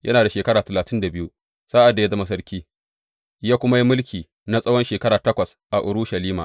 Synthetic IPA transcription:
jʔɐ˦naː˨da˨ʃeː˨kɐ˦ɽaː˨tɐ˨laː˨tɪ˦nda˨bɪ˦ju˦ | saː˦ʔa˨dːa˨ja˦zɐ˦ma˦s̬ɐ˦ɾkʲiː˦ | jaː˦kʷʊ˦ma˦ji˦mʊ˦lkʲiː˨ | na˦sʼɐ˦wɔ˦nʃeː˨kɐ˦ɾaː˨tɐ˦kʷɐ˨s | ʔa˨ʔʊ˨ɾʊ˦ʃɐ˨liː˦ma̰ː˨ʔ

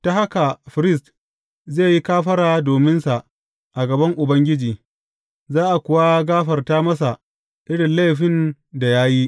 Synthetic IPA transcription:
ta˦ha˦ka˨ɸɪ˨ɾɪ˦˨st | zeː˦˨ji˦kaː˦ɸɐ˦ɾaː˨doː˨mɪ˦nsa˨ʔ | ʔa˨ɡɐ˨bɐ˦ŋʔʊ˨bɐ˦ŋɡʲɪ˦d͡ʒiː˨ | zaː˦ʔa˨kʷʊ˨wa˦ɡaː˦ɸɐ˨rtaː˦mɐ˦s̬a˨ʔ | ʔɪ˦ɽɪ˨nla˦˨jɸɪ˦n | da˨jaː˦ji˦ʔ

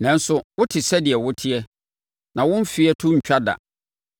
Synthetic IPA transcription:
nɛ̃˨n̩˦sʊ˦wʊ˦tʰɪ˨sɛ˦dɪ˨ɛ˨wʊ˦tʰɪ˦ɛ˦ | nã˨wʊ̃˦m˦fi˦ɛ˦tʰʊ̃˦ɲ̩˨t͡ɕᶣa˦da̰˨

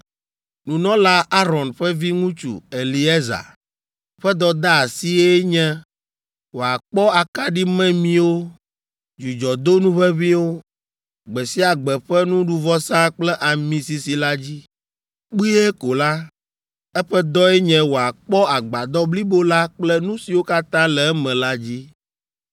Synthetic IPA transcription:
nũ˨nɔ̃˦la˦a˦ɾɔ̃˨nɸɛ˦vi˦ŋũ˦t͡ʃṵ˨e˨li˨e˦za̰˨ | ɸɛ˦d̪ɔ˦d̪a˦a˨si˦ɛ˦ɲɛ̃˦ | wo˨a˨k͡pɔ˦a˨ka˦ɖi˦mɛ̃˦mĩ˦wo˦ | d͡ʒu˨d͡ʒɔ˨d̪o˦nũ˦βɛ˦βĩ˦wo˦ | ɡ͡bɛ˨si˦a˨ɡ͡bɛ˨ɸɛ˦nũ˦ɖu˦vɔ˦sã˦k͡plɛ˦ʔa˨mĩ˨si˨si˨la˦d͡ʑi˦ | k͡pi˦e˦ko˨la˦ | ɛ˦ɸɛ˦d̪ɔ˦ɛ˦ɲɛ̃˦wo˨a˨k͡pɔ˦a˨ɡ͡ba˨d̪ɔ˦bli˦bo˦la˦k͡plɛ˦nũ˦si˨wo˦ka˦t̪ã˦lɛ˨ɛ˦mɛ̃˨la˦d͡ʑi˦

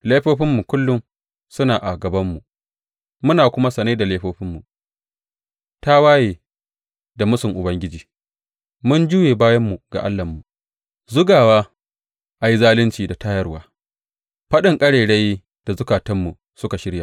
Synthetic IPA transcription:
la˦jɸoː˦ɸɪ˦mːu˨kʷʊ˦lːʊ˦m | sʊ˦naː˨ʔa˨ɡɐ˨bɐ˦mːu˨ | mʊ˦naː˨kʷʊ˦ma˦sɐ˨na˦da˨leː˦ɸoː˦ɸɪ˦mːu˨ | ta˦waː˦jeː˨ | da˨mʊ˦sʊ˨ŋʔʊ˨bɐ˦ŋɡʲɪ˦d͡ʒiː˨ | mʊ˦nd͡ʒuː˦jeː˨baː˦jɐ˦mːu˨ɡ̥a̰˨ʔa̰˦lːɐ˨mːu˨ | zʊ˦ɡaː˨waː˦ | ʔa˨ji˦zaː˦lɪ˦nt͡ʃiː˨da˨taː˦jɐ˦rwaː˦ | ɸɐ˦ɗɪ˨ŋkʼɐ˦ɽeː˨ɽe˦j | d̥a˨zʊ˦kaː˨tɐ˦mːu˨ | sʊ˦ka˨ʃɪ˦ɽja˨

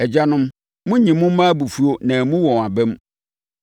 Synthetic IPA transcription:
ɛ˨d͡ʑa˦nʊ̃˦m | mʊ̃˦ɲĩ˨mʊ̃˦m̩˦mãː˦bu˨fu˦o˦nã˨mũ˦wɔ̃˨a˨bɛ˦m

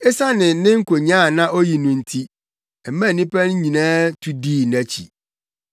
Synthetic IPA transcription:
ɛ˦sa˦nɪ̃˨˦nɪ̃˦ŋ̩˦kʰo˨ɲ˦ã˦˨nã˦ʔo˦ji˨nʊ̃˨n̩˨tʰi˦ | ɛ˨mæ̃˦˨nĩ˦pʰæ˦n̩˦ɲĩ˨nãː˦tʰu˦diː˦˨næ˦t͡ɕʰḭ˨

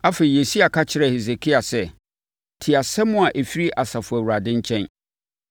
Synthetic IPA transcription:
a˦fe˨i˨je˨si˦a˨kʰa˦t͡ɕʰɪ˨ɾɛ˦˨he˨ze˨kʰi˦a˨sɛ˦ | tʰɪ˨a˨sɛ˦mʊ̃˦a˨ʔe˨fi˦ɾi˦ʔa˨sa˨fʊ˨æ˨wu˨ɾa˨dɪ̃˦ɲ˦t͡ɕʰɛ̃˦n

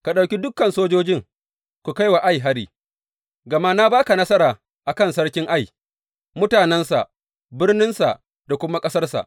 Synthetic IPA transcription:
ka˨ɗa˨wkʲi˦dʊ˦kːɐ˨nsoː˦d͡ʒoː˦d͡ʒɪ˦ŋ | kʷu˨ka˦jwa˨ʔa˦jɦa˦ɽiː˦ | ɡɐ˨ma˦na˦baː˦ka˨nɐ˦sɐ˦ɾaː˨ | ʔa˨kɐ˦˨nsɐ˦rkʲɪ˦ŋʔa˦˨j | mʊ˦taː˨nɛ˦nsa̰˨ʔ | bɪ˦rnɪ˦nsa̰˨ʔ | d̥a˨kʷʊ˦ma˦kʼɐ˦sɐ˦rsa̰˨ʔ

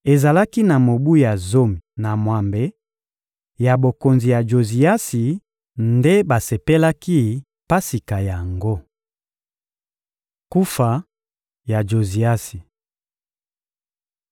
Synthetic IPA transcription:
e˨za˨la˦ki˦na˨mo˨bu˦ja˨zo˦mi˨na˨mwa˨mbe˨ | ja˨bo˨ko˨nzi˨ja˨d͡ʒo˨zi˨a˦si˨ | nde˦ba˨se˨pe˦la˦ki˦ | pa˦si˨ka˨ja˨ŋɡo˦ | ku˦fa˨ | ja˨d͡ʒo˨zi˨a˦si˨

